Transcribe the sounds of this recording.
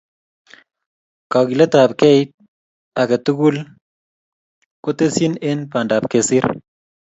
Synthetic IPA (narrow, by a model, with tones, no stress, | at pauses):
ka˨ki˨lɛ˦ta˨p̚kɛ˦i˦t̚ | a˨kɛ˨tu˦ɡu˦l | ko˦te˦si˦ne˦npa˨nda˨p̚ke˨si˦ɾ